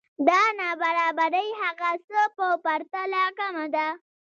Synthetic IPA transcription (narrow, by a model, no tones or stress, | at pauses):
d̪ɑnɑbaɾɑbaɾəjhaɣasəpəpaɾt̪alakamad̪a